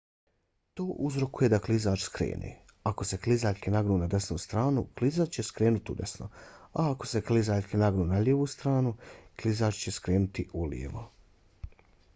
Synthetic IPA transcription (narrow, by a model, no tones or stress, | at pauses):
t̪o̞ːʔuzɾo̞kuje̞d̪aklˠizaːt͡ʃskɾḛːnʔḭː | ako̞se̞klizaːʎʲkinaɡnuːnad̪e̞snuːst̪ɾaːnuklizat͡ʃt͡ɕe̞skɾeːnut̪iṵd̪e̞̰sno̰aako̞̥se̞klizaːʎʲkinaɡnuːnaʎeːʋuːst̪ɾaːnuklizaːt͡ʃt͡ɕe̞skɾeːnut̪iʔulḭḛʋo̰